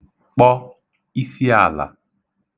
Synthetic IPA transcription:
k͡pɔ˦ | i˦si˦a˦˨la̰˨

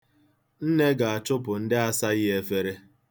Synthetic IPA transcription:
n̩˦ne˦ɡa˨a˨t͡ʃʊ˦pʊ˨n̩˦dɪ˦a˦sa˦ɣɪ˦e˨fe˦ɾe˦

